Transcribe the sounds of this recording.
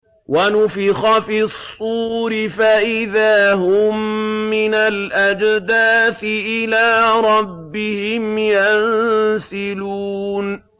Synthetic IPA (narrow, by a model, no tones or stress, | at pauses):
wanʊfɪxɑfɪsˤːuːɾɪfaʔɪðaːɦʊmːɪnalʔad͡ʒd̪aːθɪʔɪlaːɾˤɑbːɪhɪmjansɪluːn